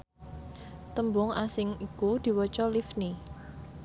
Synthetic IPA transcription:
t̪əmbʊŋasɪŋikud̪̥i̤wət͡ʃɔlifni

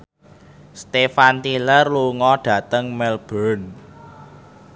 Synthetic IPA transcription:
st̪efant̪ilərluŋɔɖ̥ä̤t̪əŋmɛlb̥ɔn

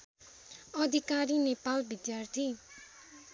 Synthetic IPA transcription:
ʌd̪ʱikaɾinepalbid̪jart̪ʰi

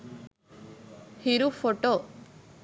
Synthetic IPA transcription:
hiɾufoʈoː

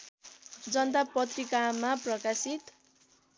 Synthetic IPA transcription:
d͡zʌnd̪apʌt̪rikamaprʌkasit̪

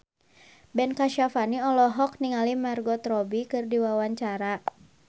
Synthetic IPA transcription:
bɛnkaʃafaniɔlɔɦɔk̚niŋalimarɡɔt̪ɾɔbikɨrdiwawaɲt͡ʃaɾa

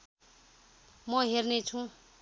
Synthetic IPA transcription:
mʌɦernet͡sʰũ

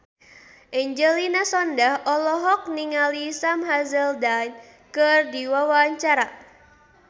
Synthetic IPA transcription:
ʔɛɲd͡ʒəlinasɔndahʔɔlɔɦɔk̚niŋalisamɦazəldan | kərdiwawaːɲt͡ʃaɾa

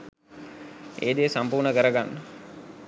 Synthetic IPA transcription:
eːd̪eːsampuːrnəkəɾəɡanːə

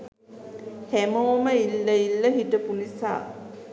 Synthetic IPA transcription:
hæmoːməilːəilːəɦiʈəpunisa̰ː

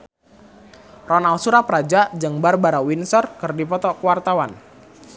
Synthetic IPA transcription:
rɔnalsuɾapɾad͡ʒaʔd͡ʒɨŋbarbaɾawinsɔrkɨrdipɔt̪ɔkəwart̪awan

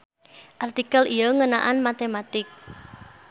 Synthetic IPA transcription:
ʔart̪ikalijɔŋəna̰ʔanmat̪emat̪ɪk̚

